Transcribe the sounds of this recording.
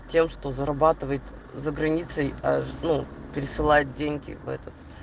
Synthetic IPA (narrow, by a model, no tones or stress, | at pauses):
tʲe̞mʂt̪o̞zəɾɐbat̪ɨvəjɪt̪ʲ | zəɡɾɐnʲit̪səjɐnupʲɪɾʲɪsɨlˠajɪt̪̚dʲenʲɡʲɪ̰vɛ̰t̪ət̪